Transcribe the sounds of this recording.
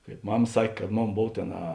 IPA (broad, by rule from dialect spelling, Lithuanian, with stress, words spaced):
kɐɪp ˈmɐm ˈsɐkʲ kɐt ˈmoːn ˈboːw ˈtʲeːn ɐ